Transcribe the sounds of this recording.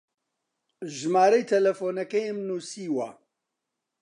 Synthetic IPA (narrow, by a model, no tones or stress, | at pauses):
ʒmaːɾɐjt̪ʰɐlɐfoːnɐkɛjmnuːsiːwɐ